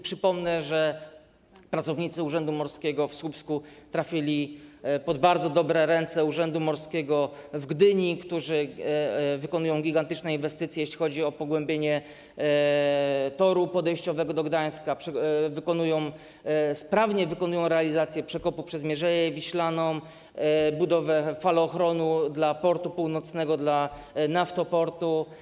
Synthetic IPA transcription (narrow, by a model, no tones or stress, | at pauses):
pʂɘpɔmnɛʐɛ | pɾat̪sɔvɲit̪sɘuʐɛnd̪umɔɾskʲɛɡɔfswupskut̪ɾafʲilʲipɔd̪baɾd̪zɔd̪ɔbɾɛɾɛnt̪sɛuʐɛnd̪umɔɾskʲɛɡɔvɡd̪ɘɲikt̪uʐɘ | vɘkɔnujɔ̃w̃ɡʲiɡant̪ɘt͡ʂnɛinvɛst̪ɘt̪sʲjɛjeɕlʲixɔd͡ʑiɔpɔɡwɛmbʲjeɲɛ | t̪ɔɾupɔd̪ɛjɕt͡ɕɔvɛɡɔd̪ɔɡd̪aj̃skapʂɛvɘkɔnujɔ̃w̃ | spɾavɲɛvɘkɔnujɔ̃w̃ɾɛalʲizat̪sʲjɛpʂɛkɔpupʂɛzmʲjɛʐɛjɛvʲiɕlanɔm | bud̪ɔvɛfalɔːxɾɔnud̪lapɔɾt̪upuwnɔt̪snɛɡɔd̪la | naft̪ɔpɔɾt̪u